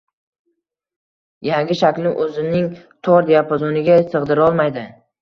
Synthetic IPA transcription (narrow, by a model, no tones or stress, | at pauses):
jaŋɡʲɪʃakʲlɪʔɵzɪnɪŋ | t̪ʰɒɾd̪ejapʰazɒnɪɡʲasɨʁd̪ɪɾɒlˠmajd̪ɪ